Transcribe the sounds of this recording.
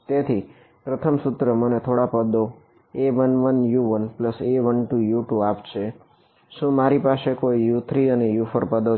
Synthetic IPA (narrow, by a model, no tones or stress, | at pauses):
t̪et̪ʰi | pɾət̪ʰəmsʊt̪ɾəmənet̪ʰoɽapəd̪o | eʋənʋənjuʋənpləseʋənʈujuʈuapt͡ʃʰe | ʃũmaɾipaʃekoijut̪ʰɾiənejufəɾpəd̪o